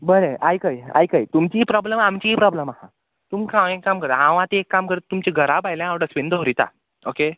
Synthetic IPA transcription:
bəɾeajkaja̰jkajt̪umt͡ɕiɦipɾɔbləmamt͡ɕiipɾɔbləmahã̰ | t̪umkʰãʋ̃ekːamkəɾt̪aãʋãt̪eekːamkəɾeumt͡ɕeɡʱəɾabajlããwɽasʋend̪əɦoɾit̪a̰ | oke

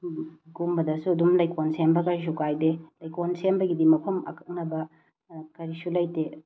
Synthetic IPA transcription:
ɡumbɐdɐsuɐdumlɐjkonsembɐkɐɾis̬ukajdelɐjkonsembɐɡidimɐpʰɐmɐ̰kʰɐk̚nɐbɐ | kɐɾisulɐjte

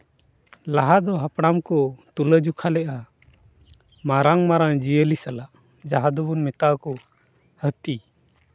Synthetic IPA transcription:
laɦad̪ɔɦapɽ̃amkɔt̪uləd͡ʒukʰalɛʔa | maɾaŋmaɾaŋd͡ʒiəlisalaʔ | d͡ʒaɦad̪ɔbɔnmɛt̪akɔ | hət̪i

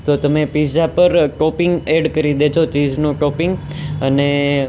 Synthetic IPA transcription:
t̪ot̪əmepisapəɾkopɪ̃ŋɡeɖkəɾid̪et͡ʃʰot͡ʃid͡ʒnũkopɪŋɡ | əne

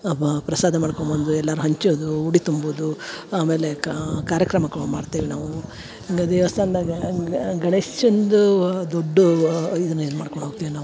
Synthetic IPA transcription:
pɾɐsaːd̪ʱɐmaːɽkombond̪uɛlːaːɾuɦɐɲt͡ʃoːd̪uuɽit̪umbud̪uaːme̞ːlekaːɾjɐkɾɐmɐkɐɭmaːɽt̪iːʋinaːʋu | iŋɡɐd̪ɛʋɐst̪ʰɐːnd̪aɡɐɡɐɳesond̪ud̪oɖːuid̪ɐnːɐinmaːɽkoɳɖɦoːɡt̪iːʋinaːʋu

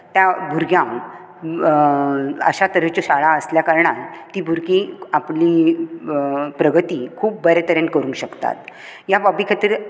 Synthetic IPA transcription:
t̪jabʱuɾɡjãm | ə̰ɕat̪əɾəft͡ɕoɕaɭãəsljakaɾɳalt̪iːbʱuɾɡiapliː | pɾəɡʱət̪iːkʰuːp̚bəɾet̪əɾenkəɾuːnɕəkt̪a̰t̪jababikʰat̪iɾ

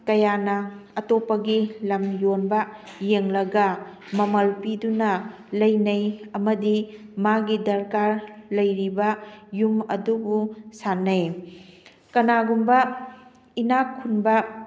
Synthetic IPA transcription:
kɐjanɐɐtopɐɡilɐmjonbɐ | jeŋlɐɡɐ | mɐmɐlpidunɐ | lɐjnɐjɐmɐdimaɡidɐɾkaɾlɐjɾibɐjumɐ̰dubusanɐj | kɐnaɡumbɐ | inakʰːunbɐ

